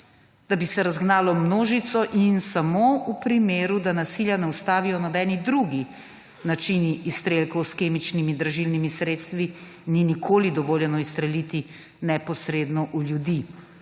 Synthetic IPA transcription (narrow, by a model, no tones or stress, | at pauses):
d̪̥abisɛɾazɡnaːlɔmnoːʒit̪sɔʔinsamoupɾimeːɾud̪anasiljanɛust̪aːʋijɔnɔbɛːnid̪ɾuɡi | nat͡ʃiniʔːst̪ɾelkɔwskeːmit͡ʃnimid̪ɾaʒilnimisɾeːt̪st̪ʋi | ninikʰoːlid̪ɔʋoːljɛnɔist̪ɾɛlit̪i | nɛpɔsɾeːd̪nɔʔuljud̪i